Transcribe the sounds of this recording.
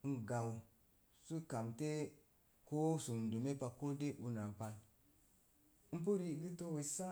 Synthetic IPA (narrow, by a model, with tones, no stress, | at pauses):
n̩˦ɡa˨w | su˦ka˨mte˦ | ko˦su˨du˨me˦pa˨ko˦de˦ʔu˦na˨pa˨l | m̩˦p̬u˦ɾi˦˨ɡi˦to˦we˨sa˦